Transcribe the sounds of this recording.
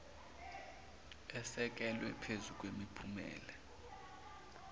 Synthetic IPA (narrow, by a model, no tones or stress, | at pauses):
ɛsɛk̬ɛlwɛpʰezuk̬wemipʰumɛ̰ːlɛ